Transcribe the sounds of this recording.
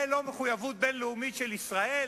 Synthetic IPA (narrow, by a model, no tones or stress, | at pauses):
lo̞meχujavut̪̚benleumitʃelisʁae